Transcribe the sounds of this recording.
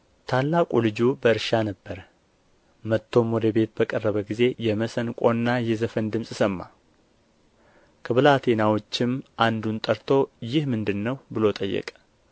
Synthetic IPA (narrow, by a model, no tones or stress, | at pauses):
t̪ʰalːakʼulɨd͡ʒubəɨɾʃanəbːəɾə | mət̪ʰːo̞mod̪əbe̞t̪̚bəkʼərːəβəɡize̞jɛməsənkʼo̞nːajɛzəfənd̪ɨmsʼsəmːa̰ | kʰəβɨlat̪ʰe̞nawo̞t͡ʃːɪmʔand̪unt̪ʼəɾt̪ʰo̞jɪhmɨnd̪ɨnːəwbɨlo̞t̪ʼəjːɛ̰kʼ